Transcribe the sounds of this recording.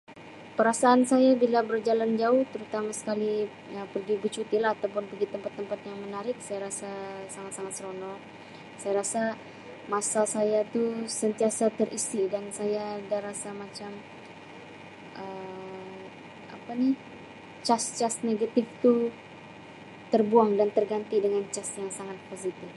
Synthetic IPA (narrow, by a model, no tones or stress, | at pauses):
pəɾasaːnsajabilabərd͡ʒaland͡ʒaʊht̪əɾut̪amasə̥kali | əpərɡibət͡ʃut̪ilaɦːt̪awpʊnpəɡit̪əmpat̪ːəmpat̪̚jaŋmənaɾɪk̚sajaɾasasaŋat̪saŋat̪sɾonɔ | sajaɾasa | masasajat̪usənt̪iasat̪əɾʔisidansajadaɾasamat͡ʃam | ʔə | ʔa̰panɪh | t͡ʃast͡ʃasneɡat̪ɪft̪u | t̪ərbuaŋdant̪ərɡant̪idəŋant͡ʃasjaŋsaŋat̪̚posit̪ɪf